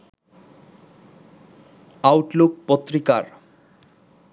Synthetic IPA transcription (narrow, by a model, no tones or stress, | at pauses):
awʈluk̚pot̪ːɾika̰ɾ